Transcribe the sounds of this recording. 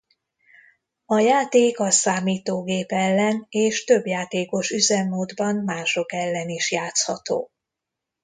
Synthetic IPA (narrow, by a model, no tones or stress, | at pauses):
ɒjaːt̪eːkɒsaːmiːt̪oːɡeːpɛlːɛneːʃt̪ø̞bjaːt̪eːko̞ʃyzɛmːoːd̪bɒnmaːʃo̞kɛlːɛniʃjaːt̪shɒt̪o̰ː